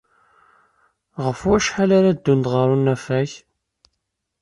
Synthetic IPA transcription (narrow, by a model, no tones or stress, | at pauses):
ʁəfʊɾæʃħalaɾad̪ːunt̪ʁəɾˤunːæfæç